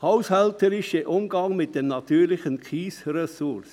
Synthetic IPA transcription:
haʊshɛltəɾɪʃəʔʊmɡɑŋmɪt̚d̥ɛmnɑtyːɾlɪχənkʰχiːsɾɛsʊɾs

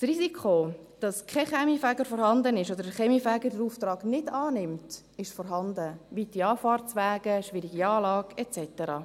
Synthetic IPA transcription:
srizikχod̥ɑskʰɛχɛmifɛɡəɾfɔːɾhɑndənɪʃod̪əɾəχɛmifɛːɡədəɾuːft̪rɑːɡ̥nɪdɑːnɪmt | ɪʃfɔːɾɦɑndəʋiːtiɑːfɑːrt͡sʋɛːɡ̥əʃʋɪɾiɡiɑːlɑːɡ̥ɛt͡sɛtəɾɑ̰ː

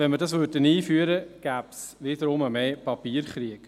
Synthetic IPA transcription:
ʋɛnməɾdɑsʋøɾdəniːfyəɾəɡ̥æːpsʋɪd̪əɾʊməmeːpɑpiːəɾχɾiək

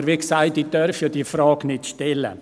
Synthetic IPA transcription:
əɾʋiksaɪtiːd̥œɾfjɑːd̥̪ifɾɑːɡnɪtʃtɛlə̰

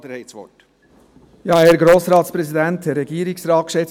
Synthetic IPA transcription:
dəhɛsʋɔ̰ʈ | jɑːeːɾɡɾoːsɾɑːt̪spɾɛsid̪ɛnt̚dɛɾːɛɡiːɾɪksɾɑːt̚kʃɛt͡s

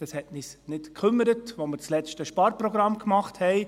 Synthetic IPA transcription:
d̥ɑshɛtnisnɪtkʰʏmːəɾətʋoməɾt͡slɛt͡ʃtəʃpɑːɾpɾɔɡɾɑmkmɑχthɛɪ

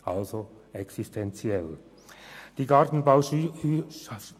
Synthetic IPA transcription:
ʔalzo | ɛksistʰɛnt͡sjɛl | d̥iːɡaʁtn̩baʊ

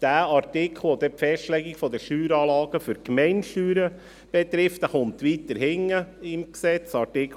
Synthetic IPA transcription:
d̥æːɑɾtɪkʰl̩ˠʋod̪ɛpfɛstlɛɡɪɡfɔd̪əʃyːɾɑːlɑːɡ̥əfʏɾkmɛɪnʃyːɾə | b̥ɛt̪ɾɪftdæχʊmt̪ʋiːt̪ːəɾɦɪŋːəɪmksɛt͡sɑɾtɪkʰ

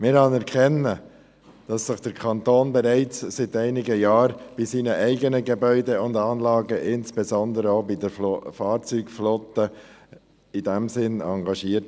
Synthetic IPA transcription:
mɪɾhɑnɛɾkʰɛnə | d̥ɑsːɪχd̥əɾkʰɑnt̪oːnbɛɾæɪt͡ssɪtæɪnɪɡəjɑːɾb̥ɪsiːnəʔæɪɡənəɡebœʏdeʊndɑːnlɑːɡəʔɪnsb̥ezɔnd̪əɾəobidəɾflofɑːɾt͡syːɡflɔtə | idæmsɪnɑŋɡɑʃiːəɾt

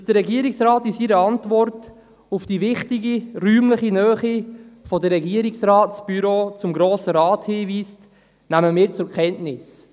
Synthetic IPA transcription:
sd̥əɾːɛɡiːəɾɪksɾɑːtɪsiɾəɑntvɔrt | ufd̥ivɪχtɪɡiɾyːmləχinœːχifɔdəɾːɛɡiəɾɪksɾɑːtsb̥yɾot͡sʊmɡɾoːsəɾɑːthiːviːst | næməmɪːɾt͡sʊɾkʰɛntnɪs

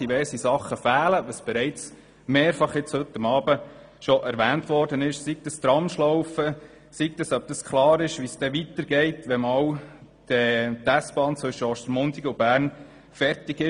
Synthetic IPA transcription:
d̥iʋɛɾsisɑχːəfæːləʋəsb̥ɛɾɛɪt͡s | meːɾfɑχjɪt͡shɵt̪ːəmɑːbə | ʃɔʔæɾʋæːntʋɔːɾd̥ənɪʃsiɡ̚d̥̪əst̪ɾɑmʃlɔwfə | sik̚d̥̪əsœb̚d̥̪əskʰlɑːɾɪʃʋisd̥ɛʋit̪əɾɡɛɪtʋɛmɑw | d̥ɛt̪æsb̥ɑːnt͡sʋɵʃːəɔʃt̪ɾmʊntiɡub̥æːɾn | fɛɾtɪɡɪ

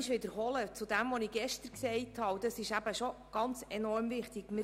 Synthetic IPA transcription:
ɪʃʋɪd̪əɾɦɔlət͡sud̪æmʋɔnɪɡ̥ɛʃtəɾksɛɪthɑːd̥̪ɑsɪʃæb̥əʃɔɡ̥ɑnt͡sɛnɔɾmvɪχtɪɡ̥mɪ

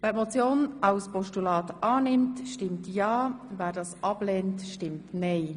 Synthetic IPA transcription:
vɛːɾmot͡sjoːnaʊspɔʃtulɑːtʔɑːnɪmtʃtɪmtjɑːvɛːdɑːsɑblɛːntʃtɪmtneɪ

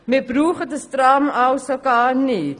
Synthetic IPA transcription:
mibruːχədəstramɐwsokɑːni

